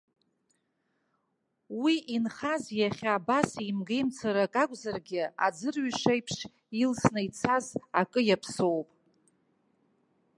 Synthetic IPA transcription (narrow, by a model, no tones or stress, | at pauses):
wiʔinχazjaχʲaabasimɡejmt͡sʰaɾakʼakʷʼzarɡʲɪa̰d͡zɨrɥiʂajpʰʂ | ilsnɨjt͡sʰazakʼɨjapʰsowpʼ